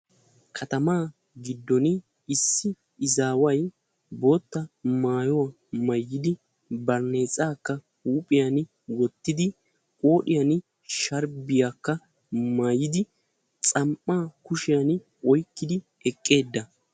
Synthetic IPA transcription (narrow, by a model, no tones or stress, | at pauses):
kʰɐt̪ɐmaː | ɡɪd̪ːɔnɪ | ɪsːɪ | ɪzaːwɐj | bo̞ːt̪ːɐmaːjɔwɐ | mɐjːɪd̪ɪ | bɐɾne̞ːt͡sʼaːkːɐ | huːpʼɪjan | wɔt̪ːɪd̪ɪ | kʼo̞ːɗɪjan | ʃɐɾbɪjakːɐ | maːjːɪd̪ɪ | t͡sʼɐmpːaːkʊʃɪjan | ɔjkːɪd̪ɪ | ɛkʼːe̞ːd̪ːɐ